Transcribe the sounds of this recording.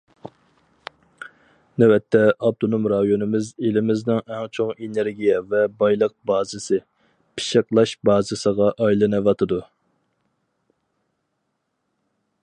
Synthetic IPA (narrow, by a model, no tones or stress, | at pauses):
nɛwɛt̪ʰːɛɑb̚t̪ʰonumɾɑjonɨmɪzelɪmɪznɪŋɛŋt͡ʃʰoŋeneɾɡʲijɛvɛbɑjlˠəq̚bɑːzɨsɨ | pʰɪ̥ʃəqlˠɑʃbɑːzɨsəʁɑʔɑjlˠɨnɨwɑt̪ʰɨd̪u